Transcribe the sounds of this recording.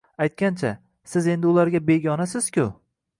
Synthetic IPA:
ajt̪̚kʲant͡ʃʰa | sɪze̞nd̪ɪʊlaɾɡʲabe̞ɡʲɒnasɪz̥kʲʊ

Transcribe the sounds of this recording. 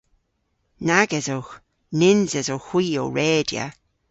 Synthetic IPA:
naɡɛzox | nɪnzɛzowxwiːo̰wɹɛːdja̰

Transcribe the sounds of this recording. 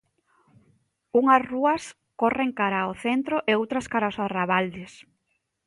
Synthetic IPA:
uŋɐsruɐs | koreŋkaɾaoθent̪ɾoʔeowt̪ɾɐskaɾasaraβald̪ɪs

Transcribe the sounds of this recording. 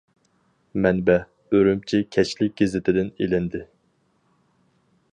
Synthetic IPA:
mɛnbɛ | øɾymt͡ʃʰikʲʰɛʃlɪk̚ʲɡ̥ʲezɪt̪ʰɪd̪ɪnelɪnd̪ɪ

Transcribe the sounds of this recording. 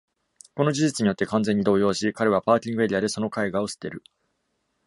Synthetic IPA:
ko̞no̞d͡ʑiʑit͡sɨɲijo̞t̪ːe̞kãnd͡zẽ̞ɲ̟ːid̪o̞ːjo̞ːɕikaɾe̞β̞apaːkʲĩŋɡɯeɾʲiad̪e̞so̞no̞kaiɡao̞sɨ̥t̪ːe̞ɾɯ̟

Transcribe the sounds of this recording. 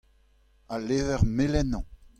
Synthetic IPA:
aleːvɛʁmelɛnɑ̃

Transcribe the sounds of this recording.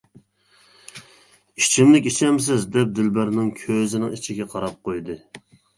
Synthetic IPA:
it͡ʃʰimlɪkʲit͡ʃʰɛms̬ɪzd̪ɛp̚d̪ɪlbæɾnɪŋkʲʰøzɪnɪŋit͡ʃʰiɡʲɛqʰɑɾɑp̚qojd̪ɨ

